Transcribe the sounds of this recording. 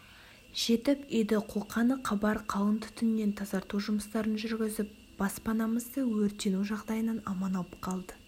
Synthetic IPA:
ʒ̥e̞t̪ɪpejd̪ɪqʰoqɑnəqʰɑbɑɾqʰɑwənt̪ʰʏ̥t̪ʰʏnnːe̞nt̪ʰɑzɑɾt̪uwʒʊməst̪ɑɾənʒʏɾɡʲɪzɪp̚ | b̥ɑspɑnɑməzd̪əwɵɾt̪enuʒɑʁd̪ɑjənɑnɑmɑnɑəpqʰɑlˠd̪ə

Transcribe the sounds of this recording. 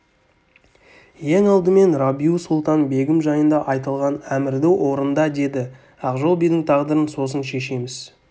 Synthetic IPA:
je̞ŋɑlˠd̪əme̞nrabiusulˠt̪ɑnbe̞ɡʲɪmʒɑjənd̪ɑʔɑjt̪ɑlˠʁɑnæmɪɾd̪ɪwʔo̞ɾənd̪ɑd̪e̞d̪ɪ | ɑqʒo̞lˠbijd̪ɪŋt̪ʰɑʁd̪əɾənso̞s̬ənʃe̞ʃe̞mɪz̥

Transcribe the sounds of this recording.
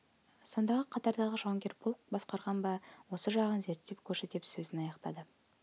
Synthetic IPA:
so̞nd̪ɑʁəqʰɑt̪ɑɾd̪ɑʁəʒɑŋkʲe̞ɾbʰolˠq̚bɑsqɑɾʁɑnbɑwo̞səʒɑʁənze̞ɾt̪ːe̞pkʲʰɵɾset̪epsɵzɪnɑjɑqt̪ɑ̰d̪ə

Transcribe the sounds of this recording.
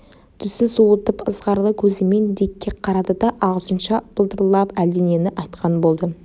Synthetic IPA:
d̪̥ʰʏsɪnsuwət̪əpəzʁɑɾlˠəkʲʰɵzɪme̞nd̪e̞kʲːe̞qʰɑɾɑd̪əd̪ɑʔɑʁəzənʃɑb̥əlˠd̪əɾlˠɑpæld̪ene̞nɪʔɑjt̪qɑnbo̞lˠd̪ə

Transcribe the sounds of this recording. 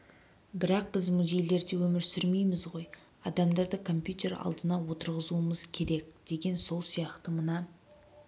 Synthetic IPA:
bɪɾɑq̚bɪzmuze̞jle̞ɾd̪e̞wɵmɪɾsʏɾme̞jmɪzʁo̞j | ɑd̪ɑmd̪ɑɾd̪əkʰo̞mpjut̪e̞ɾɑ̰lˠd̪ənɑwo̞t̪əɾʁəzuəməzkʲʰe̞ɾe̞k̚d̪̥e̞ɡʲe̞nso̞lˠsijɑqt̪əmənɑ

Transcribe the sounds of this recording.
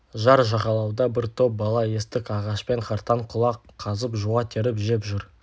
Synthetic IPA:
ʒɑɾʒɑʁɑlˠɑwd̪ɑbɪɾt̪ʰo̞p̚bɑlˠɑe̞st̪ɪkɑʁɑʃpe̞ŋχɑɾt̪ɑɴqʰʊlˠɑqʰːɑzəpʒuwɑt̪ʰe̞ɾɪpʒe̞pʒʏɾ

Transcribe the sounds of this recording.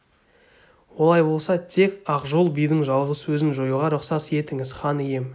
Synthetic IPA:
wo̞lˠɑjbo̞lˠsɑt̪ʰe̞kɑqʒo̞lˠbijd̪ɪŋʒɑlˠʁəsɵzɪnʒo̞juʁɑɾʊqsɑsje̞t̪ɪŋɪz̥χɑnije̞m

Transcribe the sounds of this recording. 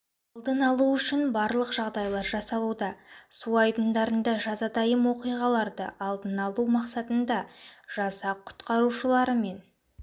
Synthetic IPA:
ɑlˠd̪ənɑlˠuʏʃɪnbɑɾlˠəqʒ̥ɑʁd̪ɑjlˠɑɾʒɑsɑlˠud̪ɑsuɑjd̪ənd̪ɑɾənd̪ɑʒɑzɑd̪ɑjəmwo̞qijʁɑlˠɑɾd̪ə̰ʔɑlˠd̪ənɑlˠumɑqsɑt̪ənd̪ɑʒ̥ɑsɑqʰʊ̥t̪qɑɾuʃəlˠɑɾəme̞n

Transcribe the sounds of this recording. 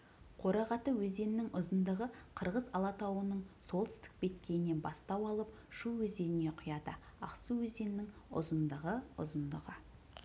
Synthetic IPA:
qʰo̞ɾɑʁɑt̪əwɵze̞nɪnɪŋʊzənd̪əʁəqʰəɾʁəzɑlˠɑt̪ɑwənəɴso̞lˠt̪ɪ̥st̪ɪ̥k̚be̞t̪kʲe̞jɪne̞nbɑst̪ɑwɑlˠəp | ʃuwɵze̞nɪne̞qʰʊjɑd̪ə | ɑ̰qsuwɵze̞nɪnːɪŋʊ̰zənd̪əʁəʊ̰zənd̪əʁə

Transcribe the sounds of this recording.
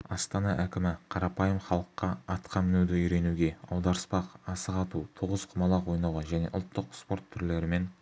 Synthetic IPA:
ɑst̪ɑnɑʔækʲɪmɪqʰɑɾɑpɑjəmχɑlˠəqːɑɑt̪qʰɑmɪnewd̪ɪʏjɾe̞nuɡʲe̞ɑ̰wd̪ɑɾəspɑqɑsəqɑt̪ut̪ʰuʁəzqʰʊmɑlˠɑwo̞jnɑwʁɑʒæne̞̰ʔʊ̰lˠt̪ːəqspo̞ɾt̪ʰːʏɾle̞ɾɪme̞n

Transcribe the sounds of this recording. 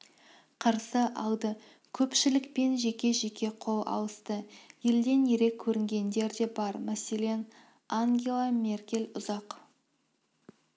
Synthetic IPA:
qʰəɾsəʔɑlˠd̪ə | kʲʰɵpʃɪlɪkpe̞nʒe̞kʲe̞ʒe̞kʲe̞qʰo̞lˠɑ̰w̪ˠəst̪əje̞ld̪e̞nje̞ɾe̞kʲʰːɵɾɪŋɡʲe̞nd̪e̞ɾd̪e̞bɑɾmæse̞le̞n | aŋɡʲe̞lˠame̞rkʲe̞lʲʊzɑq

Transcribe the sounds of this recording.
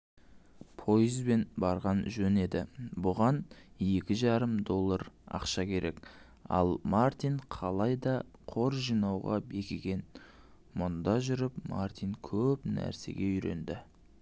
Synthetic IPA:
pʰo̞jəzbe̞nbɑɾʁɑnʒɵne̞d̪ɪbʊʁɑnje̞kʲɪʒɑɾəmd̪o̞lˠːɑɾɑ̰qʃɑkʲʰe̞ɾʔe̞̰k | ɑ̰lˠmart̪iɴqʰɑlˠɑjd̪ɑqʰo̞ɾʒijnɑwʁɑ̰be̞kʲɪɡʲe̞n | mʊnd̪ɑʒʏɾɪpma̰rt̪iŋkʲʰɵpnæ̰ɾse̞̰ɡʲe̞ʏjɾe̞̰nd̪ɪ

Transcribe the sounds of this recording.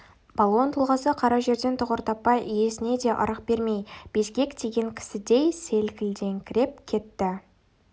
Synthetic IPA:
b̥ɑlˠo̞nt̪ʰolˠʁɑsəqʰɑɾɑʒe̞ɾd̪e̞nt̪ʰʊʁəɾt̪ɑpːɑjje̞sɪne̞d̪e̞ʔɑ̰ɾəq̚be̞ɾme̞jb̥e̞sɡʲe̞kt̪ʰe̞ɡʲe̞ŋkʲʰɪ̥sɪd̪e̞jse̞lkʲɪld̪e̞ŋkʲʰɪɾe̞p̚kʲʰe̞t̪ːɪ

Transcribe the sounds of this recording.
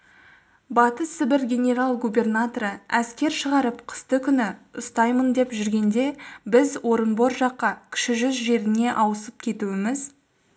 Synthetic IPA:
bɑt̪əsɪbɪɾɡʲe̞nʲe̞ɾalˠɡubʲe̞rnat̪oɾəæskʲe̞ɾʃəʁɑɾəpqʰə̥st̪əkʲʰʏnɪʊst̪ɑjmənd̪e̞pʒʏɾɡʲe̞nd̪e̞bɪzwo̞ɾənbo̞ɾʒɑqːɑkʲʰɪ̥ʃɪʒʏzʒe̞ɾɪne̞ʔɑwəsəp̚kʲʰe̞t̪uɪmɪz

